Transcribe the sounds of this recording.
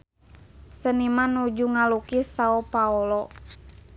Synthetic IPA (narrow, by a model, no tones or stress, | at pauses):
sənimanud͡ʒuŋalukisaɔpaɔlɔ